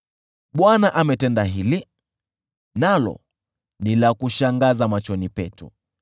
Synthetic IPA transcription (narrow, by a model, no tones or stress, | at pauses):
ɓwanaʔamɛtɛndaɦili | nalɔ̰ | nilakuʃaŋɡazamat͡ʃɔnipɛtṵ